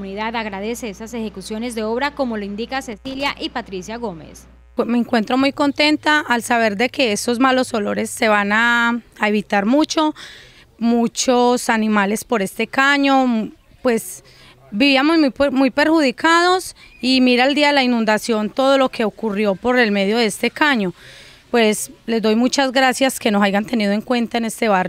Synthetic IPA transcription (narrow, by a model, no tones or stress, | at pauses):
uniðaðaɣɾaðe̞se̞esasexe̞kusjo̞ne̞zd̪e̞o̞βɾako̞moloind̪ikase̞siljaʔipat̪ɾisjaɣo̞me̞̰s | me̞ŋkwe̞nt̪ɾo̞mujko̞nt̪e̞nt̪aʔːlsaβ̞e̞ɾd̪e̞ke̞eso̞zmalo̞so̞lo̞ɾe̞sːe̞βanaːeβit̪aɾmut͡ʃo̞ | mut͡ʃosanimale̞spo̞ɾe̞st̪e̞kaɲo̞ | pwe̞s | biβiamomumujpe̞ɾxuðikaðo̞simiɾaeld̪iaðelainũnd̪asjo̞nt̪o̞ð̞o̞lo̞kʰe̞okurjo̞po̞ɾe̞lme̞ðjo̞ðeest̪e̞kaɲo̞pwe̞sle̞zd̪ojmut͡ʃazɡɾasjaske̞nosajɣant̪e̞niðoe̞ŋkwe̞nt̪aene̞st̪e̞βarj